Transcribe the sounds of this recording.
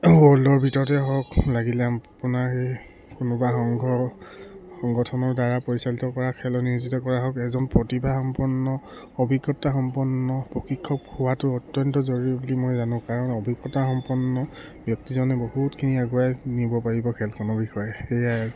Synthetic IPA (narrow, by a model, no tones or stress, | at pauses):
oɔlɔɹbʱitɔɹɔtɛɦɔklaɡilɛapʊnaɹxej | kʊnʊbaxɔŋɡɔ | xɔŋɡɔtʰɔnɔɹdaɹapɔɹisalitɔkɔɹakʰɛlɔniozitɔkɔɹaɦɔkɛzɔnpɹɔtibʱaxɔmpɔnːɔ | obʱiɡɔtaxɔmpɔnːɔpɹɔkʰikʰːɔphʊwatʊɔtjɔntɔzoɹiɛbulimojzanʊ̃kaɹɔnɔbʱiɡɔtaxɔmpɔnːɔ | bjɔk̚tizɔnɛbohutkʰiniaɡuajnibɔpaɹibɔkʰɛlkɔnɔbixɔjɛxeja